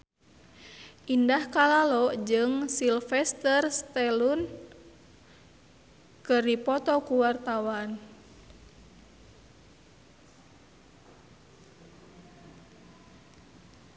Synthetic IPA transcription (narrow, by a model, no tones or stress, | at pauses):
ʔindahkalalɔd͡ʒɨŋsilfɛst̪ərst̪ɛlun | kɨrdipɔt̪ɔkuwart̪awan